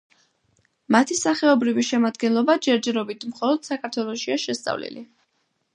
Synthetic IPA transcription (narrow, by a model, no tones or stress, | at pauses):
mat̪ʰisaχɛɔbɾiviʃɛmad̪ɡɛnlˠɔbad͡ʒɛɾd͡ʒɛɾɔbit̪ʰmχɔlˠɔd̪̥sakʰaɾt̪ʰwɛlˠɔʃiaʃɛst̪sʼa̰vlḭlḭ